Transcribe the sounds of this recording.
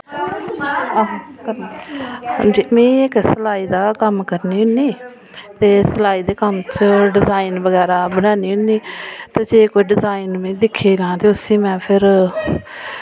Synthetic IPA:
ɦkəɾnːhə̰̃d͡ʒiːmẽːɪksəlaːiːd̪aːkəmkəɾniːɦʊniː | t̪eːsəlaːiːd̪eːkəmt͡ʃɖɪzaːiːnbəɡɛːɾaːbəɽãːniːɦʊnːiːt̪aːd͡ʒeːkoːiɖɪzaːinmẽːd̪ɪkʰːeːlãːt̪eːʊsĩːmɛ̃ːpʰɪɾ

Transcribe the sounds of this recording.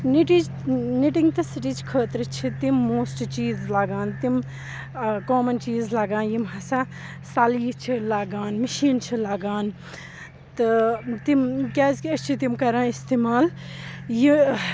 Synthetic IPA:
niʈi | niʈiŋɡt̪ɐsiʈit͡ʃkʰəːt̪ɾɨt͡ʃʰit̪imːoːsʈt͡ʃiːzlaɡaːnt̪im | koːmɐnt͡ʃiːzlɐɡãːnjimɦɐsa | saːliːt͡ʃʰilaːɡaːnmɐʃiːnt͡ʃʰilaːɡaːn | t̪ɨt̪imkʲaːzɐt͡ʃʰit̪imkɐɾãːist̪eːmaːlji

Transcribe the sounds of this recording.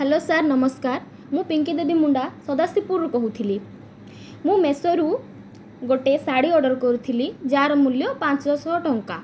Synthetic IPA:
ɦɛlosaɾnɔmɔskaɾ | mũpiŋkid̪ed̪imuɳɖasɔd̪asipuɾɾukɔɦut̪ʰili | mũmesɔɾu | ɡoʈesaɽiɔɾɖɔɾɔkɔɾut̪ʰilid͡ʒaɾɔmuljɔpãt͡ʃsɔsɔɦɔʈɔŋka

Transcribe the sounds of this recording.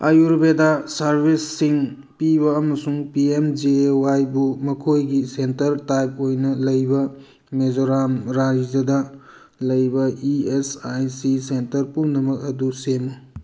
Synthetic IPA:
ajuɾbedɐsɐɾbʱisːiŋ | piβɐːmɐsuŋpiemd͡ʒeewajbumɐkʰojɡisentɐɾtajp̚ojnɐlɐjbɐ | med͡ʒoɾamɾaɾid͡ʒɐdɐ | lɐjbɐiesajsisentɐɾpumnɐmɐk̚ɐdusemu

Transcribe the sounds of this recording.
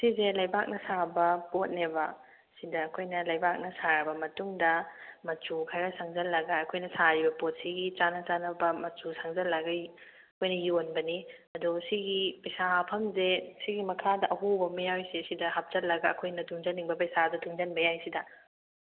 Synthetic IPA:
sizelɐjbak̚nɐsabɐpot̚nebɐ | sidɐːkʰojnɐlɐjbak̚nɐsaɾɐbɐmɐtuŋdɐmɐt͡ʃukʰaɾasaŋzɐlːɐɡɐɐkʰojnɐsaɾibɐpot̚siɡit͡ʃanɐt͡ʃanɐbɐmɐt͡ʃusaŋzɐlːɐɡɐ | ɐkʰojnɐjonbɐni | ɐdusiɡipɐjsapʰɐmzesiɡimɐkʰadɐʔɐɦubɐmijawjsesidɐhap̚t͡ʃɐtlːɐɡɐ̰ːkʰojnɐtʰuŋzɐnːiŋbɐpɐjsadɐtʰuŋzɐnbɐjajsidɐ

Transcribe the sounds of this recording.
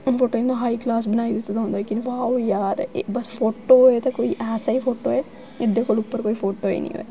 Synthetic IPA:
foːʈoːinɐɦaːiklaːs̬bɐnaːid̪ɪt̪et̪ɦõnd̪oekinʋaːwjaːɾ̰bɐsfoːʈoet̪ɐkoːiʔɛːsaifʰoːʈoːɦɛ | ɪd̪ekolupːəɾkoːifoːʈoːḛnḭ̃o̰e

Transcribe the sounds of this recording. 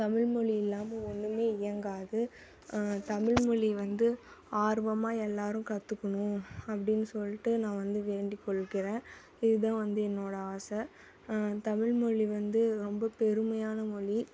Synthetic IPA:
t̪ɐmɪɻmɔɭiɪlːaːmɐɔnːɯmeːɪjɐŋɡaːðɯ | t̪ɐmɪɻmɔɭiʋɐnd̪ɯaːɾʋɐmaːɛlːaːɾɯ̃kɐt̪ːɯkːɐɳʊ̃ɐp̬ːɐɽɪnːɯsɔlːɪʈːɯnãːʋɐnd̪ɯʋeːɳɖikːɔɭːɯkːɪɾẽː | ɪðɯt̪ãːʋɐnd̪ɯɛnːoːɽɐaːsɐ | t̪ɐmɪɻmɔɭiʋɐnd̪ɯɾɔmbɐpɛɾɯmɐjaːnɐmɔɭi

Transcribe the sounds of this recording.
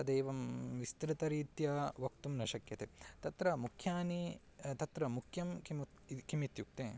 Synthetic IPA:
ɐd̪eːʋɐmʋist̪ɾɪt̪ɐɾiːt̪jɐʋɐkt̪umnɐʃɐkjɐt̪et̪ɐt̪ɾɐmukʰjaːni | t̪ɐt̪ɾɐmukʰjɐmkim | kimit̪juk̚t̪eː

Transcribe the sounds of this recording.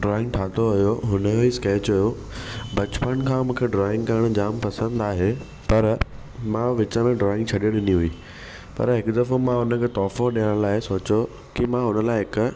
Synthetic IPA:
ɖɾɔːɪ̃ŋɡʈʰaːt̪ʰoɦʊjoɦʊnəjoiskeːt͡ɕʊjo | bɐt͡ɕpənkʰãːmũːkʰeɖɾɔːɪ̃ŋɡkɐəɽ̃ʊd͡ʑaːmpɐsə̃nd̪aːɦe | pɐɾ | mãʋɪt͡ɕə̆mẽɖɾɔːɪ̃ŋɡt͡ɕʰɐɗijoɗɪniɦuiː | pɐ̰ɾɦɪkʊd̪ɐfomãɦʊnə̆kʰet̪ɔːfõɗijəɽ̃laːɪsoːt͡ɕo | kimãɦʊnəlaːɪɦɪkʊ̆

